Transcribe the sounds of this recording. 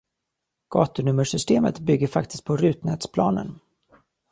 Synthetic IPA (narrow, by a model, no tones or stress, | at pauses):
ɡ̥ɑːt̪ɵɳɵmːəʂʏst̪eːmə̰t̪bʏɡːəɾfak̚t̪ɪ̥st̪̚pʰɔɾʉ̟ːt̪nɛːt̪spʰlɑ̰ːnə̰n